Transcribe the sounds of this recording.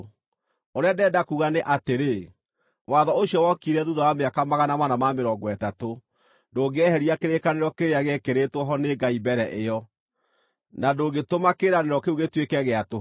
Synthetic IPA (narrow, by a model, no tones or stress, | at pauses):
oɾeadɛdakuɣaneʔateɾe | waðɔoɕjɔwɔkiɾɛðuðawameakamaɣanamanamameɾɔɡwɛtato | ndoːɡɛhɛɾiakeɾekaneɾɔkeɾeaɣekeɾetwɔɦɔneɡaibɛɾɛʔejɔ | nadoːɣetomakeɾaneɾɔkeuɣetwekɛɣeato